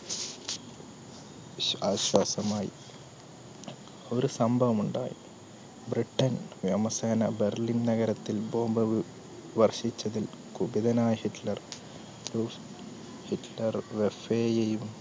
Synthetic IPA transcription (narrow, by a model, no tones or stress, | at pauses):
ɐɕwɐːsɐmaːjḭ | o̞ɾusɐmbʱɐʋɐmuɳɖa̰ːjḭ | briʈːɐnʋjɐmɐseːnɐberlinnɐɣɐɾɐt̪ːilbo̞ːmbɐʋɨ | ʋɐrʂit͡ɕːɐðil | kubiðɐnaːjɐhiʈlɐr | ruːf | hiʈlɐrʋefeːjejum